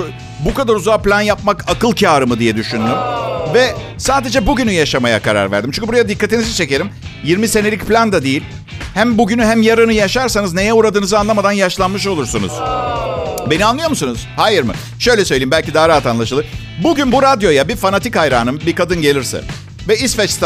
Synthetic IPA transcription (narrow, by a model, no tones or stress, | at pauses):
bukad̪aɾuzaːplʲanjapmakakɯlˠcʰaːɾɯmɯd̪ijɛd̪yʃynd̪ymvɛ | saːd̪e̞d͡ʒɛbuɟynyjaʃamaja̰kʰaɾa̰ɾvæ̰ɾd̪imt͡ʃynɲcʰybuɾajad̪ikːat̪inizit͡ʃʰe̞ce̞ɾimjiɾmise̞nelʲicplʲand̪ad̪ejilʲ | hæmbuɟynyɦæmjaɾɯnɯjaʃaɾsanɯzne̞jɛuːɾad̪ɯːnɯzɯanlˠamad̪anjaʃlˠanmɯʃ̬o̞lˠuɾsunṵz̥ | be̞nianlˠɯjo̞musunuz̥haːjɯɾmɯ̰ | ʃø̞jlʲɛsø̞jlʲejimbælʲcid̪aːɾaɦat̪anlˠaʃɯlˠɯ | buɟynbuɾad̪jo̞jabifanat̪ʰikhajɾa̰ːnɯmbikad̪ɯnɟe̞lʲiɾsɛ̰ | vɛisfɛt͡ʃst̪